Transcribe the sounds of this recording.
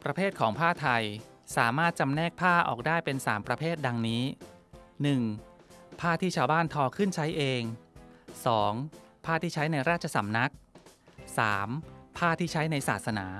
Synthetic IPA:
pɾa˧pʰeː˥˩t̪̚kʰɔː˩˦ŋpʰaː˥˩t̪ʰa˧j | saː˩˦maː˥˩t̪̚t͡ɕa˧mnɛː˥˩k̚pʰaː˥˩ʔɔ̰ː˨˩k̚daː˥˩jpe˧nsaː˩˦mpɾa˧pʰeː˥˩t̪̚da˧ŋniː˦˥ | nɯ˨˩ŋpʰaː˥˩t̪ʰiː˥˩aː˧wbaː˥˩nt̪ʰɔː˧kʰɯ˥˩nt͡ɕʰa˦˥jʔeː˧ŋsɔː˩˦ŋpʰaː˥˩t̪ʰiː˥˩t͡ɕʰa˦˥jna˧jɾaː˥˩t̪̚t͡ɕʰa˧sa˩˦mna˦˥k̚sa̰ː˩˦mpʰaː˥˩t̪ʰiː˥˩t͡ɕʰa˦˥jna˧jsaː˨˩t̪̚sa˧na̰ː˩˦

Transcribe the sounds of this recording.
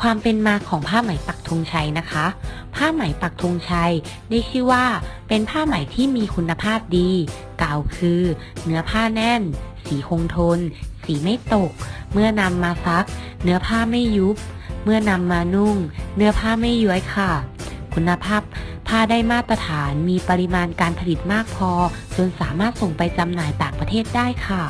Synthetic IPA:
kʰwaː˧mpe˧nmaː˧˥kʰːɔː˩˦ŋpʰaː˥˩ma˩˦jpa˨˩k̚t̪ʰu˧ŋt͡ɕʰa˧jna˦˥kʰa˦˥ | pʰaː˥˩ma˨˩˦jpa˨˩k̚t̪ʰu˧ŋt͡ɕʰa˧jdaː˥˩jt͡ɕʰɯː˥˩waː˥˩pe˧npʰaː˥˩ma˨˩˦jt̪ʰiː˥˩miː˧kʰu˧nːa˧pʰaː˥˩p̚diː˧ | kaː˨˩wkʰɯː˧ | nɯ˩˦˥ɐpʰaː˥˩nɛː˥˩nsiː˩˦ʔʰo˧ŋt̪ʰo˧nsiː˩˦ma˥˩jt̪o˨˩k̚mɯ˥˩ɐna˧mːaː˧sa˦˥k̚ | nɯ˨˦ɐpʰaː˥˩ma˥˩jːu˦˥p̚mɯ˥˩ɐna˧mːaː˧nu˥˩ŋnɯ˨˦˥ɐpʰaː˥˩ma˥˩jju˧˥əjkʰa˧˩kʰu˧nːa˧pʰaː˥˩p̚ʰː | aː˥˩daː˥˩jmaː˥˩t̪ːɾa˧t̪ʰaː˩˦nmiː˧pa˧li˧maː˧nkaː˧npʰa˧li˨˩t̪̚maː˥˩k̚pʰɔː˧t͡ɕo˧nsaː˩˦maː˥˩t̪̚so˨˩ŋpa˧jt͡ɕa˧mnaː˨˦jt̪aː˨˩ŋpa˧t̪ʰeː˥˩t̪̚daː˥˩jkʰa˧˥˩

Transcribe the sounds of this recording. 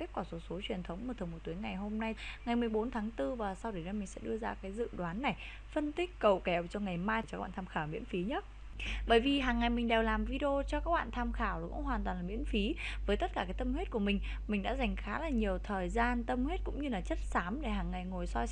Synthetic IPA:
i˦˥p̚kɔ˨˦so˨˦so˨˦t͡ɕwi˨˩ənt̪ʰə˨˦wŋ͡mm˧˨˩t̪ʰɨ˨˩mo˨˩t̪u˨˦əjŋa˨˩jɦo˧mna˧jŋa˨˩jmɨ˨˩əjɓo˨˦nt̪ʰaː˨˦ŋt̪ɨ˧vaː˨˩sa˧wɗə˨˩jnə˨˧jmï˨˩ŋ̟sɛ̰˧˥ɗɨ˧əzaː˧kaː˨˦jzɨ̰˧˨ɗwaː˨˦nːa˨˩j | fə˧nt̪ï˦˥k̟̚kə˨˩wkɛ˨˩wt͡ɕɔ˧ŋa˨˩jmaː˧jt͡ɕɔ˧a˦˥ɓa̰ː˧˨˧t̪ʰa˧xaː˧˩wmḭ˧˥ənfi˨˦ɲə˦˥t̚ | ɓəː˧˩jvi˨˩ɦaː˨˩ŋːa˨˩jmï˨˩ŋ̟ɗe˨˩wlaː˨˩mvi˧ɗi˧o˧t͡ɕɔ˧kaː˦˥k̚ɓa̰ː˧˨nt̪ʰaː˧mxaː˧˩wkʊ̰˧˥ŋ͡mɦwaː˨˩nt̪waː˨˩nlaː˨˩mḭ˧˥ənfi˨˦vəː˨˦jt̪ə˦˥t̚kaː˧˩kaː˨˦jt̪ə˧mwe˦˥t̚ku˧˩əmï˨˩ŋ̟ | mï˨˩ŋ̟ɗa̰ː˧˥za˨˩jŋ̟xaː˨˦laː˨˩ɲi˨˩əwt̪ʰəː˨˩jzaː˧nt̪ə˧mhwe˦˥t̚kʊ̰˧˥ŋ͡mɲɨ˧laː˨˩t͡ɕə˦˥t̚saː˨˦mɗe˧˩ɦaː˨˩ŋːa˨˩jŋo˨˩jsɔ˧j

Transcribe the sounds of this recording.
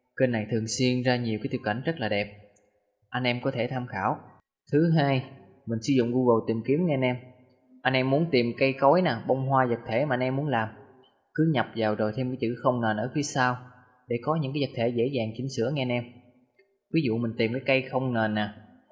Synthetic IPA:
ke˧nːa˨˩jt̪ʰɨ˨˩əŋswi˧ənzaː˧ɲi˨˩əwkːa˨˦t̪ə˩ka̰˧˩jŋ̟zə˦˥t̚laː˨˩ɗɛ˨˩p̚ | ʔa˧jŋ̟ʔɛ˧mkɔ˨˦t̪ʰe˧˩t̪ʰaː˧mxaː˧˩w | t̪ʰɨ˨˦ɦaː˧j | mï˨˩ŋ̟sɨ˧˦zʊ̰˧˨ŋ͡mɣu˧ɣə˨˩wt̪i˨˩mki˨˦əmŋɛ˧a˧nʔɛ˧m | ʔa˧ŋ̟ʔɛ˧mːu˨˦ənt̪i˨˩mkə˧jkɔ˨˦jnaː˨˩ɓə˧wŋ͡mɦwaː˧zə˨˩k̚t̪ʰe˧˩ma˨˩ʔa˧nʔɛ˧mːu˨˦nlaː˨˩m | kɨ˨˦ɲa˨˩p̚zaː˨˩wzo˨˩jt̪ʰe˧mkaː˨˦jt͡ɕɨ̰˧˥xə˧wŋ͡mne˨˩nʔəː˧˩fi˨˦əsaː˧w | ɗe˧˩kɔ˨˦ɲɨ̰˧˥ŋka˨˦zə˨˩k̚t̪ʰe˧˩zḛ˧˥zaː˨˩ŋt͡ɕï˨˦ŋ̟sɨ̰˧˥əŋɛ˧ʔa˧nʔɛ˧m | vi˨˦zṵ˧˨mï˨˩ŋ̟t̪i˨˩mkaː˨˦jkə˧jxə˧wŋ͡mne˨˩nːaː˨˩

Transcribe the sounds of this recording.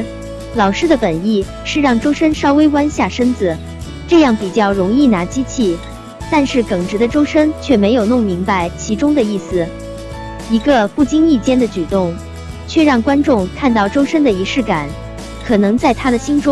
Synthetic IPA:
lɑ˨˩ʊʂɻ̩˥˩d̪ə˩pə˨˩ni˥˩ | ʂɻ̩˥˧ɻɑ˥˩ŋʈ͡ʂo˥ʊʂə˥nʂɑ˥ʊwe˥ɪkwa˥nɕja˥˩ʂə˥nd͡zɹ̩˨˩ | ʈ͡ʂɤ˥˧jɑ˥˩ŋpi˨˩t͡ɕjɑ˥˩ʊɻʊ˧˥ŋi˥˩na˧˥t͡ɕi˥t͡ɕʰi˥˩ | t̪a˥˧nʂɻ̩˥˩kɤ˨˩ŋʈ͡ʂɻ̩˧˥d̪ə˧ʈ͡ʂo˥ʊʂə˥nt͡ɕʰɥɛ˥˩me˧˥ɪjo˨˩ʊnʊ˥˩ŋmi˧˥ŋpa˧ɪt͡ɕʰi˧˥ʈ͡ʂʊ˥ŋd̪ə˨i˥˩sɹ̩˩ | i˧˥ɡə˧fu˥˩t͡ɕi˥ŋi˥˩t͡ɕjɛ˥nd̪ə˨t͡ɕy˨˩t̪ʊ˥˩ŋ | t͡ɕʰɥɛ˥˧ɻɑ˥˩ŋkwa˥nʈ͡ʂʊ˥˧ŋkʰa˥˧nt̪ɑ˥˩ʊʈ͡ʂo˥ʊʂə˥nd̪ə˨i˧˥ʂɻ̩˥˩ka˨˩˦n | kʰɤ˨˩nɤ˧˥ŋt͡sa˥˩ɪt̪ʰa˥d̪ə˨ɕi˥nʈ͡ʂʊ˥ŋ

